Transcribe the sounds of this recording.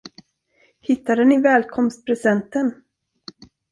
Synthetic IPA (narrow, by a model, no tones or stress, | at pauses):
hɪt̪ːad̪ənɪvɛːlkʰɔmst̪̚pʰɾɛsɛnt̪ən